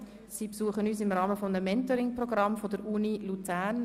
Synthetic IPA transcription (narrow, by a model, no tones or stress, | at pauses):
siːpsuːəχənyːsɪmrɑːməfɔmnəmːɛntɔɾɪŋprɔɡɾɑmfodəɾunilut͡sæːɾn